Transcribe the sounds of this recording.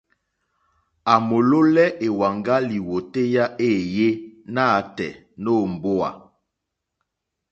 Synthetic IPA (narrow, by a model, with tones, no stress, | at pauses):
a˨mo˨lo˦lɛ˦ʔe˨wa˨ŋɡa˦li˨wo˨te˦ja˦ʔe˦˨je˦na˦˨˦tɛ̰˨ | no˦˨m˨bo˦a̰˨